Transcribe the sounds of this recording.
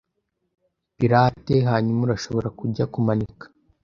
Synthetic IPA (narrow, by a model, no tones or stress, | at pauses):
piɾaːte̞ɦaːɲumuɾaʃo̞βo̞ɾakuɟakumanikḁ